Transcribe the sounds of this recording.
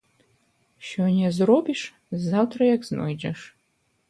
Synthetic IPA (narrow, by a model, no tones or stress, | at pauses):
ʃonʲɛzrobiʂ | zawtʰrɐjakzno̰jd͡ʒɐʂ